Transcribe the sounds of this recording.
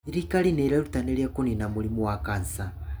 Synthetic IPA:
iɾikalinɛɾɛɾutanɛljakuninamulimuwakansa

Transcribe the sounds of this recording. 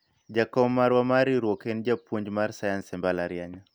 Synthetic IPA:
d͡ʒakɔmːaɾwamaɾiɾwɔkend͡ʒapoɲd͡ʒmaɾsajansɛmbalaɾɪjaɲa

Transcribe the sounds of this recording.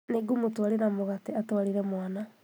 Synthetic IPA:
neɡumotwaɾenamoɣateatwaɾiɾɛmwana

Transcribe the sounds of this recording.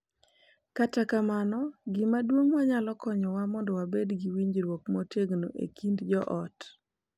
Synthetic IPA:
katakamanɔɡɪmadwoŋwaɲalɔkɔɲɔwamɔndɔwabedɡiwiɲd͡ʒɾwokmɔteɡnoʔḛkʰindd͡ʒɔʔɔt

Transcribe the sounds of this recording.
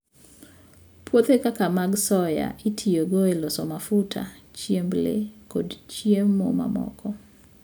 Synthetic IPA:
pwot̪ekakamaɡsɔja̰ʔitʰijoɡoelɔsɔmafutʰa̰t͡ʃjemblḛkodt͡ʃjemmːoma̰mɔ̰kʰɔ

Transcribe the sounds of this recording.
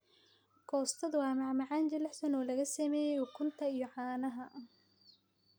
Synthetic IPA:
kʰɔːst̪ʰɐðwɑːmɑʕmɑʕɑːnd͡ʒɐlɛħsɐnɔːlɐɣɐsɐmɛːjɛjɔkʰʊnt̪ʰɐijɔʕɑːnɐɦɐ

